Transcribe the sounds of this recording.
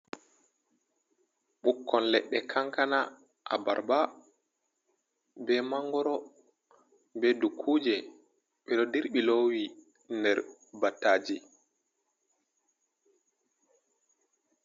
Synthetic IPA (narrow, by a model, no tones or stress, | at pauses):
ɓukːɔnlɛɗːɛkʰaŋkana | ʔa̰ba̰ɾba | bɛmaŋɡɔɾɔ | bɛdukʰuːd͡ʒɛ | ɓɛɗɔdiɾɓilowi | ndɛɾbatːaːd͡ʒi